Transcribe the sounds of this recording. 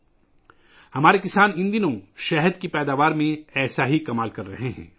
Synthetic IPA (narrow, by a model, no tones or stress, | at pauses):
hɐmaːɾekɪsaːnɪ̃nd̪inõʃɛɦəd̪kipɛːd̪aːʋaːɾmẽɛːsaɦikɐmaːlkɐɾːɐ̰ɦeɦɛ̰̃ː